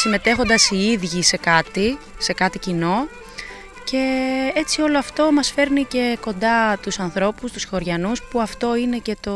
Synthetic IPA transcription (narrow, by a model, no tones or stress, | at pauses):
sime̞t̪e̞xo̞nd̪ɐsiiðʝise̞kɐt̪ise̞kɐt̪icino̞ | ce̞et͡sio̞lo̞ɐft̪o̞mɐsfe̞ɾnice̞ko̞nd̪ɐt̪usɐnθɾo̞pust̪usxo̞ɾʝɐnuspuɐft̪o̞ine̞ce̞t̪o̞